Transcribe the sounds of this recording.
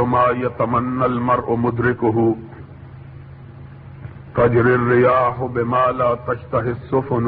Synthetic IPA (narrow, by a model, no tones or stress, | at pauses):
omaːjɐt̪ɐmɐnːɐlmɐɾʔʊmʊd̪ɾɪkʊɦu | t̪ɐd͡ʒɾirːɪjaːɦʊbɪmaːlaːt̪ɐʃt̪ɐɦɪsːofʊn